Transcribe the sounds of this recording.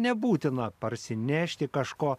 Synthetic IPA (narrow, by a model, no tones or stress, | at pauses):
nʲɛbuːt̪ʲɪnɐpɐɾʲsʲɪnʲæːʃʲt̪ʲɪkɐʃkoː